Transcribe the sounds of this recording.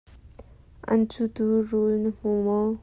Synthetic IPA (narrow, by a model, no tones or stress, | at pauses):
ʔɐ̰nt͡sut̪urulnəm̥umɔ